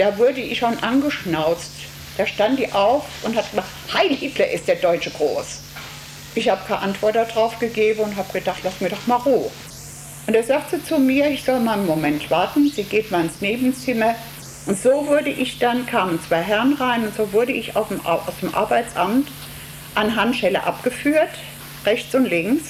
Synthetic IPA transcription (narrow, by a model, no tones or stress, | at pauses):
d̥aːvʊɐdəʔɪçʃonʔanɡəʃnaʊt͡st | d̥aːʃtantd̥iːʔaʊfʔʊnthat̚ɡ̥əmaχthaɪlhɪtlɐʔɪst̚d̥eːɐdɔʏt͡ʃəɡ̥ʁoːs | ʔɪçhaːbəkʰaʔantv̥ɔɐt̚d̥adʁaʊfɡ̥əɡeːbn̩ʊntɦaːb̥əɡ̥ədaχtlastmiɐdɔχmaːlʁuː | ʔʊntdeːɐzaːk̚tz̥iːt͡sumiːɐɪçz̥ɔlmaːlənmomɛntv̥aɐtn̩z̥iːɡeːtmaːlɪnsneːbn̩t͡sɪmɐ | ʔʊntz̥oːvʊɐdəʔɪçd̥ankʰaːmənt͡sv̥aɪɦɛʁənʁaɪnʊntz̥oːvʊɐɾəɪça̰ʊfm̰ʔa̰ʊsd̥eːmʔa̰ɐbaɪt͡sʔamt | ʔanɦanʃɛlə̰ʔapɡ̥əfyːɐt | ʁɛçt͡sʊntlɪŋks